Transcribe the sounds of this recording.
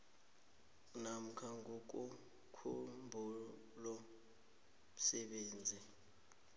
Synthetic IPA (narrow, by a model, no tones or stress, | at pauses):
nam̩kʰaŋok̬ʼu | kʰumbʱu | lɔ | m̩sɛɓeːnd͡zʱi